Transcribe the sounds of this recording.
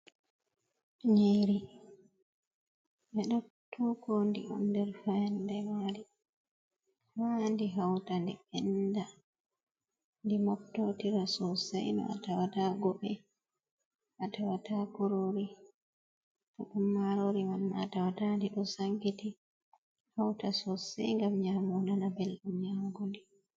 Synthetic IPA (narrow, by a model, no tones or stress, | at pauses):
ɲeɾi | mɛɗɔtʰːuːkɔndḭʔɔ̰ndɛɾfɛndɛmaɾi | mandiɦawtandiɓɛnda | ndimɔk̚tːotiɾasɔsa̰jnɔ̰ʔa̰tawataɡɔɓɛ | ʔatawatakɔɾoɾi | tɔɗumːaɾoɾimanːatawatandiɗɔsaŋɡiti | hawtasɔsɛ̰jŋɡamɲamɔnanabɛlɗumɲaŋɡundi